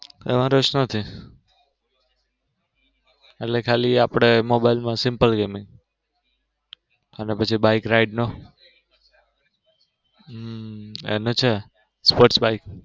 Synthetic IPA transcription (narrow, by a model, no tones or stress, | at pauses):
ḛmãɾot͡ʃnət̪ʰi | eʈlekʰaliapɽ̃emobaɪlmãsɪmpəlɡemiŋɡ | ənepət͡ʃʰibaikɾaiɖno | ḛnot͡ʃʰe | spoʈsbaik